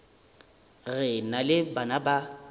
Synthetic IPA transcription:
ɣɛnalɪbanaba

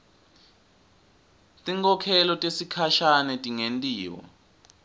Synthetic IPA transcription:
tʼiŋkʰʼɔkʰɛlɔtʼesikʰaʃanɛtʼiŋentʼiːwɔ̰

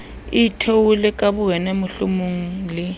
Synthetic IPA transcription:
itʰewulɪkʼabʊɣɛnɛmʊɬṵmuŋ̩lɪ

